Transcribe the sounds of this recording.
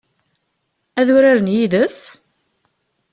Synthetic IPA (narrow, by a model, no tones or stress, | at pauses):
æðʊɾaɾənjiðəs